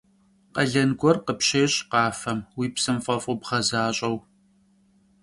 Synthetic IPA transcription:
qɐɮɐnɡʷɔrqəpɕeːɕʼqɑːfɐmwiːpsɨmfʼɐfʼʊbʁɐzaːɕʼɐw

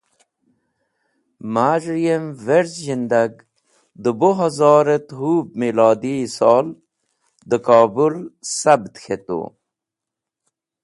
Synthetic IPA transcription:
maːʐɾijemveɾzʑind̪aɡ | d̪əboɦazɑːɾet̪ɦuːb̚milɑːd̪isɑːl | d̪əkɑːbulsɐbt̪xʰet̪o̰

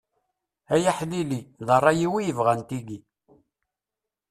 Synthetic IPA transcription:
æjaħliliðˤərˤːɑjiwijəvʁænt̪iɡi

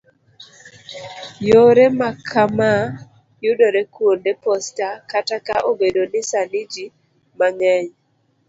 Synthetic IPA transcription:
joɾɛmakʰama | jʊdoɾɛkwondepɔstakatakaʔobedonɪsanɪd͡ʒi | maŋɛɲ

